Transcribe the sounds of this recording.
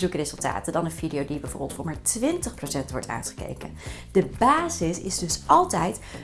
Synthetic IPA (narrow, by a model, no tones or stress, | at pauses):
zukərezɵlˠta̰ːtədɑnənvidijowdibɛvo̰ɹbəlˠtfɔmaːɹtʋɪntəχprosɛntʋɔ̰ɹtʰa̰ːnχə̥kḛjkə̰nd̥əbaːzɪsɪ̰zdɵsɑlˠtɛjt